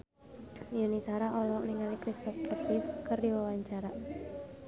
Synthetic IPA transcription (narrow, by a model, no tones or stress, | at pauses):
junisaɾaʔɔlɔkniŋalikɾist̪ɔfkərkifkərdiwawaɲt͡ʃaɾa